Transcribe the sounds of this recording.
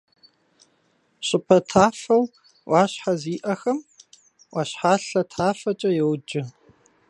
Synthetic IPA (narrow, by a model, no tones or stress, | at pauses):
ɕʼɪpʰɐtʰaːfɐw | waːɕħaziːʔɐxɐm | waɕħaːɬɐtʰaːfɐt͡ʃʼɐjɛwd͡ʒɪ